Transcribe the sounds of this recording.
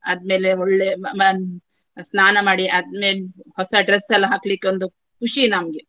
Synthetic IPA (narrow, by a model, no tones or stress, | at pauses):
ɐd̪̚me̞ːleoɭːen | snaːnɐmaːɽiʔɐd̪̚me̞ːlhɔsɐɖɾesːɐlːɐɦaːklikːeond̪u | kuʂinɐmɡe